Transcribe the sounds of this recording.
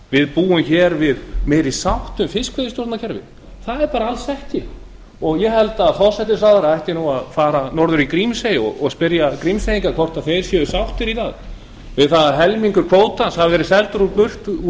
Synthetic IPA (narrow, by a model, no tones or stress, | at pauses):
vɪðpuːʏmçɛːɾvɪðmɛːjɾisawht̪ʏmfɪskvɛðɪst̪jɔɾt̪nacʰɛɾvɪ̰ | θaðɛɾpaːɾaalsɛht̪ɪ | ɔɣjɛhɛlt̪aːðfɔ̥sɛht̪ɪsaːðaɾaɛjht̪ɪnuaðfaːɾanɔɾðʏɾikɾimsejɔ̰ɣɔɣspɪɾjakɾimsejiŋkakʰvɔr̥t̪aðθejɾ̥sjɛʏsawht̪ɪɾiθaɣ | vɪðθaðaɦɛlmiŋkʏɾkʰvoːwt̪anshavvɛɾɪsɛlt̪ʏɾupʏr̥t̪